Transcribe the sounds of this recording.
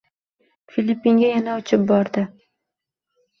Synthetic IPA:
filʲipːiŋɡʲajanaʊt͡ʃʰɪp̚bɒɾd̪ɪ

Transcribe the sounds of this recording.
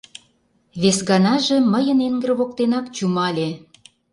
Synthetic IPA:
βesɣɑnɑʒĕməjə̆neŋɡə̆rβok̚t̪enɑkt͡ɕumɑlʲe

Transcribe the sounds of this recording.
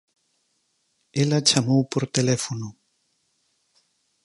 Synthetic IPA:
elat͡ʃamowpoɾt̪elɛfono

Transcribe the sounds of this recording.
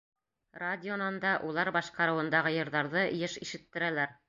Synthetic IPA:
radʲɪonɑnd̪ɑʔulˠɑɾbɑʃqɑɾɤ̆wɤ̆nd̪ɑʁɤjɤ̆ɾðɑɾðɤʔjɘʃiʃɘ̆t̪ːɘ̆ɾælæɾ

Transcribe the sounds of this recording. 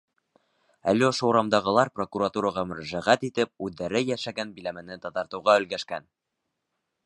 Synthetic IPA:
æ̰lːiŏʃɤuɾɑmd̪ɑʁɤ̆lˠɑɾpro̞kuɾat̪uɾɑʁɑmɵ̆ɾæʒæʁæt̪it̪ɘp̚ʉðːæɾɘjæʃæɡænbilæmɘ̆nɘt̪ɑt̪ɑɾt̪ɤ̆wʁɑɵ̆lɡæʃkæ̰n

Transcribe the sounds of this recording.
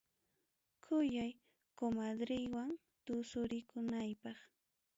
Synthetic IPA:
kʰʊjaj | komad̪ɾɪjwaŋ | t̪ʊsʊɾɪkʊnajpɑχ

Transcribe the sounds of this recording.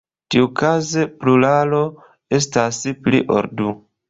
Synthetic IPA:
tiukazeplulalo̞ | e̞s̬tasplḭʔo̰ɾdu

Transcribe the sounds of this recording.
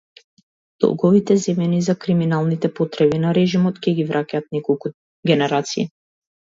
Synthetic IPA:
d̪̥ɔ̰lˠɡɔvit̪ɛzɛmɛnizakɾiminalˠnit̪ɛpɔt̪ɾɛbinaɾɛʒimɔt̪cɛɡivɾʔakaːt̪̚nɛkɔlˠku | ɡɛnɛɾat̪siː

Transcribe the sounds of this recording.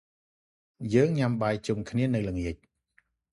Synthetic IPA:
jəːŋɲamɓaːj̚t͡ɕumkʰniənɨwlɨŋiəc̚

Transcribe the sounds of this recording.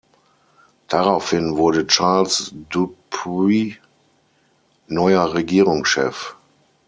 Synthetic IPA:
d̥aʁaʊfhɪnvʊɐdət͡ʃaɐlsdupi | nɔʏɐʁeɡiːʁʊŋʃɛ̰f

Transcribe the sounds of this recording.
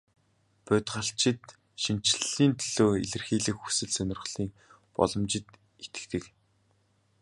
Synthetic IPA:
pʊt̪ʁə̆ɬt͡ɕɪ̆t̪ | ʃin̥t͡ɕɮiːnt̪ʰɵɮ̥oːḛɮɘ̆rxiːɮɘ̆kxu̥sɘ̆ɮsœnʲɪ̆rʁɮ̥iːk̚ | pɔ̰ɮɞ̆mt͡ɕɪ̆t̪ | et̪ɘ̥̆kt̪ɘ̆k

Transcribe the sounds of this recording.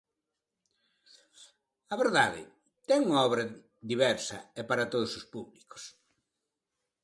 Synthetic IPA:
ɐβeɾðaðɪ̰ | t̪ɛŋuŋaɔβɾɐ | ðiβɛɾsɐ̰ɛpaɾɐt̪oð̞ʊsospuβliko̥s

